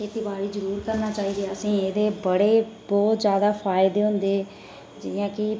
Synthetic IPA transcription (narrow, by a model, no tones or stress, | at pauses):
kʰeːt̪iːbaːɽiːzəɾuːɾkəɾnaːt͡ʃaːiːd̪eəsĩːeːd̪eːbəɽeːbɔːt̪zjaːd̪aːfʰaːɪd̪eːɦʊ̃nd̪eː | d͡ʒɪjãːkɪ